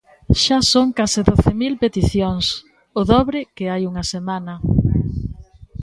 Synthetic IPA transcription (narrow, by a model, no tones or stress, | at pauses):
ʃasoŋkasɪðoθemilpet̪iθjoŋs | ʊðɔβɾɪkɪajuŋɐsemanɐ